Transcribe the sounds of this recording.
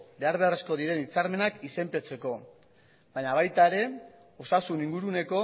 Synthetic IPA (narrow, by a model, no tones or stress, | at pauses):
be̞aɾβ̞e̞are̞sko̞ðiɾe̞nit͡saɾme̞nakise̞mpet͡se̞ko̞ | baɲaβ̞ajt̪aeɾe̞ | o̞sasuniŋɡuɾune̞ko̞